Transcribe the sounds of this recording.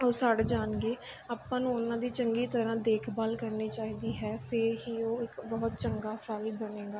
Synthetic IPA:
oːsaːɽeːd͡ʒaːnɡeːaːpãːnũːʊnãːd̪iːt͡ʃəŋɡiːt̪əɾãːd̪eːkʰbaːlkəɾniːt͡ʃaːiːd̪iːɦɛːpʰɪɾɦiːoːɪkbɔːt̪t͡ʃəŋɡaːpʰɾaːiːbəneːɡaː

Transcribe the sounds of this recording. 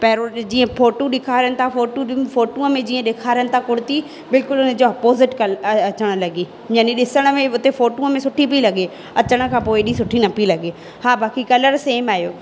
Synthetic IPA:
pɐɦɪɾod͡ʑĩːə̃foːʈũɗɪkʰaːɾijənɪ̆t̪ʰafoːʈufoːʈũːəmẽd͡ʑiːə̃ɗɪːkʰaːɾijəñɪ̆t̪ʰakʊɽɪt̪i | bɪlkʊlʊnẽd͡ʑoɐpoːzɪʈkɐlɐɐt͡ɕəɽ̃̆lɐɡiː | ɲɐnĩɗɪsəɽ̃ə̆mẽʊt̪efoːʈũəmẽsʊʈʰip̬ilɐɡe | ɐt͡ɕəɽ̃ə̆kʰãːpoːɪɗĩsʊʈʰinɐpilɐɡe | haːbʱaːkikɐləɾseːmaːɦjoː

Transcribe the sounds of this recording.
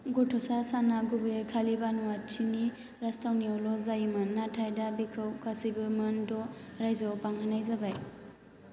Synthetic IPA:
ɡɔtʰɔsasanaɡubɯekʰalibanuwat͡ʃini | ɾastawniɔlɔzajmanːatʰajdabikʰɯwkʰasibɯmandɔɾajzawpaŋhanajzabaj

